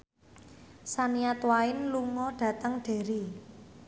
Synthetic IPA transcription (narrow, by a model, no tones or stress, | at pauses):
saniat̪waɪnluŋɔɖ̥ä̤t̪əŋɖ̥e̤ɾi